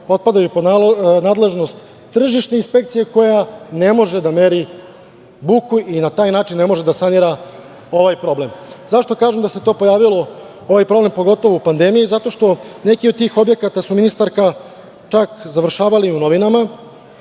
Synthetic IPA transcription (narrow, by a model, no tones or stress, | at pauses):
o̞t̪̚pad̪ajuponaːd̪le̞ʒno̞st̪ː | r̩ʒiʃt̪einspe̞kt̪sije̞ko̞jane̞mo̞ʒe̞d̪ame̞ɾi | bukuʔinat̪aːjnaːt͡ʃinːe̞mo̞ʒe̞d̪asaniɾa | o̞ʋajpɾo̞ble̞mzaʃt̪o̞kaːʒemd̪ase̞t̪o̞ːpo̞jaːʋilo̞ | o̞ʋajpɾo̞ble̞mpo̞ɡo̞t̪o̞ʋoupand̪e̞mijizat̪o̞ʃt̪o̞ne̞kiod̪̚t̪iːxo̞bje̞kat̪asuminist̪aɾka | t͡ʃakzaʋr̩ʃaːʋaliuno̞ʋinama